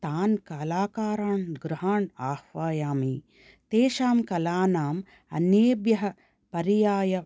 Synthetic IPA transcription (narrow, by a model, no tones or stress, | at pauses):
t̪aːnkɐlaːkaːɾaːɳɡɾɪɦaːɳaːhʋaːjaːmiː | t̪eːʃaːmkɐlaːnaːm | ɐ̰njeːbjɐɦɐ | pɐɾijaːjɐ